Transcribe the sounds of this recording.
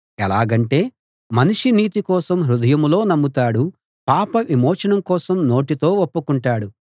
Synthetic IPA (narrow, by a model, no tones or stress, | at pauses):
ɛlaːɡɐɳʈe̞ː | mɐniʂiniːt̪ikɔːsɐmɾud̪ɐjɐmlo̞ːnɐmːut̪aːɽu | paːpɐʋimɔːt͡ʃɐnɐmkɔːsɐmno̞ːʈit̪o̞ːopːukuɳʈaːɽu